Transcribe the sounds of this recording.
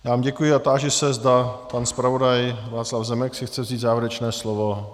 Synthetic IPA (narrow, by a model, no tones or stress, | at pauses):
jaːvaːmɟɛkujɪat̪aːʒɛsɛzdapanspɾavo̞dajvaːt͡slavzɛmɛksɪxt͡sɛvziːt̪zaːvjɛɾɛt͡ʃnɛːslovo